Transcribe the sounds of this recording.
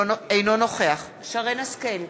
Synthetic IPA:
ejnono̞χe̞aχ | ʃaʁenaskel

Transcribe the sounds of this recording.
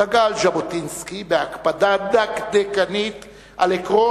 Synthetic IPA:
aɡalʃabot̪inskibeakpad̪ad̪akd̪ekanit̪ | ʔalekʁo

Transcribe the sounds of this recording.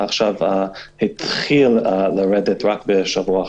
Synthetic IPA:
aχʃavhit̪χilləɹɛdɛtɹakbəʃavua

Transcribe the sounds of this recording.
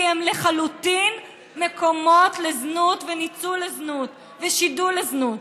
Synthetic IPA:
emleχalutin | mekʰo̞mo̞tleznut̪venit͡suleznut̪ | veʃiduleznut

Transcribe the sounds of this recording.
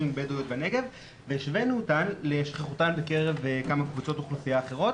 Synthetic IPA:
iŋbed̪ujot̪̚bane̞ɡe̞v | vejeʃvenutanleʃχeχutanbeke̞ʁe̞vekamakvut͡so̞t̪oχlufiaːχe̞ʁo̞t

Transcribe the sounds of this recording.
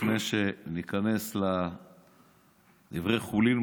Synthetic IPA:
neʃenikane̞sla | d̪ivʁejχulin

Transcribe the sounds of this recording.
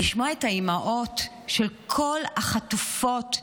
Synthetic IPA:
iʃmoaetaimaʔo̞t | ʃelkʰo̞lhaχatufot

